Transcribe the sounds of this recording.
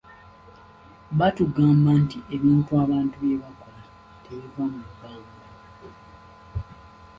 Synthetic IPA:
βatuɡaːmbantiʔe̞βiːntuaːβaːntuβjeβako̞la | teβivamuɡaːŋɡa

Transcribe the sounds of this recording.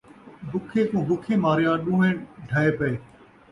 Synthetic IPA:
bʱʊkʰeːkũːbʊkʰeːmaːɾɪjãːɗũːɦeːɖʱaːeːpəeː

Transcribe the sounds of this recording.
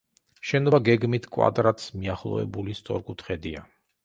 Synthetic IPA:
ʃɛnɔbaɡɛɡmit̪ʰkʼwa̰d̪ɾat̪ʰsmiaχlˠɔ̰ɛ̰bulist̪sʼɔɾkʼut̪ʰχɛd̪ia

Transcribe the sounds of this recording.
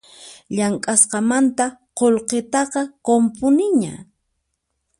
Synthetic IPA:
ʎaŋkʼasqɑmant̪aqolqet̪ɑqɑkompʊnɪɲa̰

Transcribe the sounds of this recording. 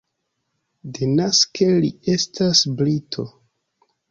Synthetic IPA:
denaskelie̞stʰasblitʰo̞

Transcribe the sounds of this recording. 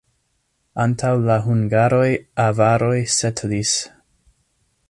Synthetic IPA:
antʰawlaɦuŋɡaɾo̞javaɾo̞jsetʰlis

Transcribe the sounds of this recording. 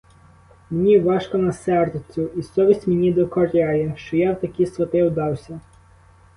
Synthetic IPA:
mnʲiʋɑʃkɔnɐsɛrd̪t͡sʲʊisɔʋʲisʲtʲmenʲid̪ɔkɔɾʲajɛʃt͡ʃɔjawt̪ɐkʲisʋɐt̪ɪwd̪ɑwsʲɐ

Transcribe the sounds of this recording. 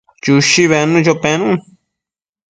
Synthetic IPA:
t͡ʃuʃiβenũt͡ʃopɛ̃nũ

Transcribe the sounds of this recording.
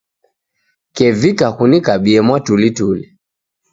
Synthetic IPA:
kɛvikahunikaɓiɛmwatulituli

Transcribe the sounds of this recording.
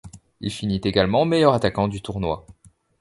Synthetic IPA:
ḭlfinit̪eɡalmɑ̃mejœʁat̪akɑ̃d̪yt̪uʁnwa̰

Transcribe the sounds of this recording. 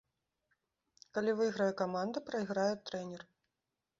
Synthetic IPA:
kalʲivɨɣɾɐjɛkamand̪ɐpɾɐjɣɾajut̪ːɾɛnʲɛr

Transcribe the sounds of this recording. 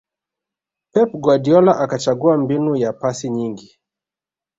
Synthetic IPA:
pɛpɡwadiɔlaʔakat͡ʃaɡuambinujapasiɲiŋɡi

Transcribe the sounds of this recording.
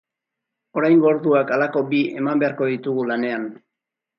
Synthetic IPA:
o̞ɾajŋɡo̞ɾðuakalako̞bie̞mambe̞aɾko̞ðit̪uɣulane̞an

